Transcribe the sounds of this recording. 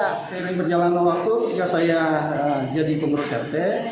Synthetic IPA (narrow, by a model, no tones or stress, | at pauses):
paɾɪŋpərd͡ʒalanowat̪ujasajaəd͡ʒadipəŋɾɔsɛ̰rt̪ɛ